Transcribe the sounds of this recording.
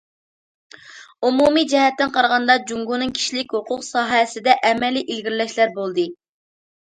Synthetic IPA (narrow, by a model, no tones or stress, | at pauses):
umumid͡ʒɛɦɛt̪ːɪnqʰɑɾʁɑnd̪ɑd͡ʒuŋɡunɨŋkʲʰi̥ʃlɪkʲhoqʰʊqsɑːɦɛsɪd̪ɛʔɛmɛlːiʔilɡʲiɾlɛʃlæɾbolˠd̪ɨ